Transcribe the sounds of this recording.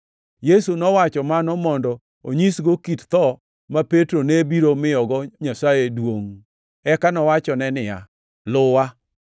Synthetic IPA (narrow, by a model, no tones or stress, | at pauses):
jesunɔwat͡ʃɔmanɔmɔndɔ | oɲisɡokitt̪ɔ | mapetɾonebiɾomɪɔɡɔɲasajedwoŋ | ɛkanɔwat͡ʃɔnɛnɪja̰ | lʊwa